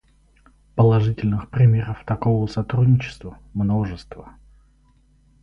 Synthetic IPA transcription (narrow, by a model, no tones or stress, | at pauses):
pəlˠɐʐɨtʲɪlʲnɨxpɾʲɪmʲeɾəft̪ɐkovəsɐt̪ɾudʲnʲɪt͡ɕɪ̥st̪və | mno̞ʐɨst̪və̰